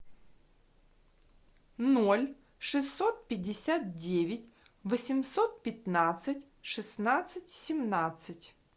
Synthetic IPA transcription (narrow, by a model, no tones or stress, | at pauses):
nolʲ | ʂɨsːot̪̚pʲɪdʲːɪsʲat̪̚dʲevʲɪtʲvəsʲɪmsot̪̚pʲɪt̪nat̪sɨtʲ | ʂɨsnat̪sɨtʲsʲɪmnat̪sɨtʲ